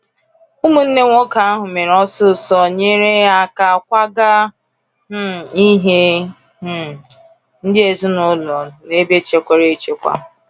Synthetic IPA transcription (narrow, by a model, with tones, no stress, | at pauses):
ʊ˦mu˨n̩˦ne˦ŋʷo˦ka˨a˦ɦʊ˨me˨ɾɔ˦sʊ˦˨sɔ˦ɲe˦ɾe˦a˦ka˦˨kʷa˦ɡa˦˨ | i˦ɦe˦˨ | n̩˦dɪ˦e˨zu˦nʊ˦lɔ˨ne˦be˦t͡ʃe˨kʷe˨ɾe˨t͡ʃe˦kʷa̰˨ɦ